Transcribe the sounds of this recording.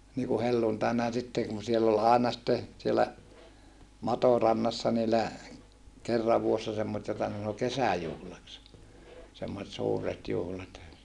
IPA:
niːku helːuntɑinɑ jɑ sitːe kun sielː ol ɑˑenɑ sĭtːe sielːæ mɑtorɑnːɑsːɑ niːlːæ kerːɑʋ ʋuosːɑ semːosĕt jotɑ ne sɑno kesæjuhlɑks semːoset suːret juhlɑt

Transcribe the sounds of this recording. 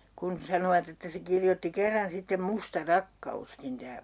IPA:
kun sɑnoʋɑt etːæ se kirjotːi kerːɑn sitːem mustɑ rɑkːɑuskin tæː

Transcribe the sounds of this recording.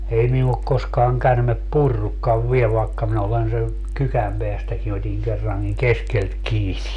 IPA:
ei minu ok koskɑːŋ kærmep purːukːɑʋ ʋiel ʋɑekːɑ minæ olen se kykæm peæstækin otʲiŋ kerːɑŋkiŋ keskelt kiːni

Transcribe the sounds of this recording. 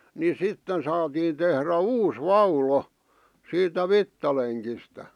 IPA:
ni sitːen sɑːtiːn tehræ uːs ʋɑulo siːtæ ʋitːɑleŋkistæ

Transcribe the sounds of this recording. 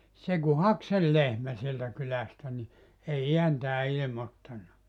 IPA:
se ku hɑk sel lehmæ sieltæ kylæstæ ni ei iæntæː ilĭmotːɑnːɑ

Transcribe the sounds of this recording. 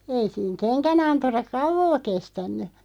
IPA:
ei siːŋ kenkænɑnturɑk̆ kɑuʋoː kestænˑy

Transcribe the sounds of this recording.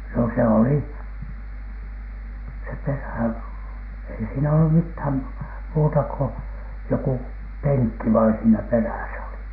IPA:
no se oli se peræˑ ei siːnæ olːum mithæm muːtɑ ko joku peŋkːi ʋɑin siːnæ peræˑsæ oli

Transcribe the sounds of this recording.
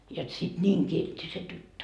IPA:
jot sit nʲiːŋ kiltːi se tytːø

